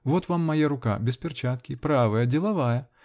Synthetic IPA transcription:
vɔt̪vamːajaɾʊka̰bʲɛspʲɛrt͡ʃat̪kʲipɾavɐjɐd͡zʲɛlˠavajɐ

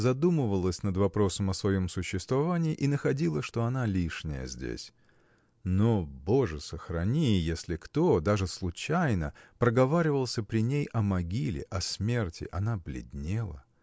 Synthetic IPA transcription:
zɐd̪uməvəlˠəsʲnəd̪vɐpɾo̞səmɐsvɐjo̞msʊɕːɪst̪vɐvanʲɪːʔinəxɐdʲilˠəʂt̪o̞ɐnalʲiʂnʲɪ̰jə̰zʲdʲḛsʲ | noboʐɨsəxɾɐnʲijesʲlʲɪkt̪o̞d̪aʐɨslˠʊt͡ɕæjnəpɾəɡɐvaɾʲɪvəlˠsʲəpɾʲɪnʲejʔɐmɐɡʲilʲɪ̰ʔɐsmʲe̞rtʲɪ̰ʔɐnablʲɪ̰dʲnʲelˠə̰

